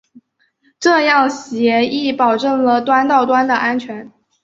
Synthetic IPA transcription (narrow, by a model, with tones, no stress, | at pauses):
ʈ͡ʂɤ˥˧jɑ˥˩ŋɕjɛ˧˥i˥˩pɑ˨˩ʊʈ͡ʂɤ˥˩ŋlə˩t̪wa˥nt̪ɑ˥˩ʊt̪wa˥nd̪ə˨ʔa˥nt͡ɕʰɥɛ˧˥n